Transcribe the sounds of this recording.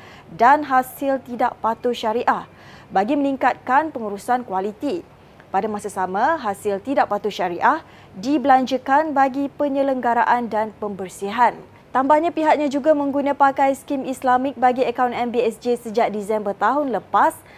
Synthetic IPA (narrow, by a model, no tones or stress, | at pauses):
danɦasɪlt̪idaʔpat̪ʊʃaɾiʔah | baɡiməniŋkat̪̚kanpəŋuɾusankwalit̪i | padamasasamãɦasɪlt̪idaʔpat̪ʊʃaɾiʔah | dibəlaɲd͡ʒəkanbaɡipəɲə̃ləŋɡaɾaʔandanpəmbərsiɦan | t̪ambahɲãpiɦaʔ̚ɲãd͡ʒuɡamə̃ŋɡunãpakajskimislamɪk̚baɡiəkawnɛmbiɛsd͡ʒesəd͡ʒaʔ̚disɛmbət̪aɦʊnləpas